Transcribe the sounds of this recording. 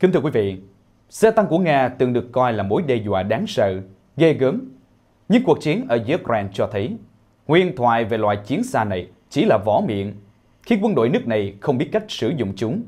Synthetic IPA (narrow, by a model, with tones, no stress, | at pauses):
ki˨˦ŋt̪ʰɨ˧kwi˨˦vḭ˧˨ | saː˧t̪a˧ŋku˧˩əŋaː˧t̪ɨ˨˩ŋɗɨ˨˩əkːɔ˧jlaː˨˩mo˨˦jɗe˧zwa̰ː˧˨ɗaː˨˦ŋsə̰ː˧˨ | ɣə˧jɣəː˨˦m | ɲɨ˧ŋku˨˩ək̚t͡ɕi˨˦ənʔəː˧˩zu˧˦kɾɛː˧nt͡ɕɔ˧t̪ʰə˨˦j | hwḭ˧˨ənt̪ʰwa̰ː˧˨jve˨˩lwa̰ː˧˨jt͡ɕi˨˦ənsaː˧na˨˩j | t͡ɕi˧˩laː˨˩vɔ˨˧˦mḭ˧˨ən | xi˧˩kwə˧nɗo̰˧˨jnɨ˦˥ək̚na˨˩jxə˧wŋ͡mɓi˦˥t̚ka˦˥jk̟̚sɨ˧˩zʊ̰˧˨ŋ͡mt͡ɕʊ˨˦ŋ͡m